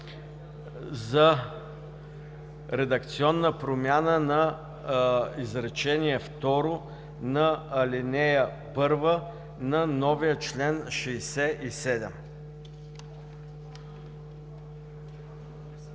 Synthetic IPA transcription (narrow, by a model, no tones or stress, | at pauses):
zə | ɾɛd̪ək̚t̪siɔnːəpɾomʲjanənɐ | izɾɛt͡ʃɛniɛft̪ɔɾo | nɐːlinɛjə | pɤɾvə | nɐnɔvijət͡ʃlɛnʃɛjsɛisɛd̪ɛm